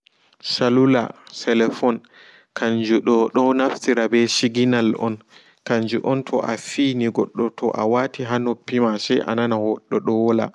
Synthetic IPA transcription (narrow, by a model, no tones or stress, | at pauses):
salula̰sɛlɛfɔn | kʰaɲd͡ʒuɗɔɗɔnaftiɾabɛʃiɡinalɔ̰n | kaɲd͡ʒuʔɔntʰɔʔafiːniɡɔɗːɔtʰɔʔa̰watiɦanopːimasɛʔa̰nanahɔɗːɔɗɔwɔla̰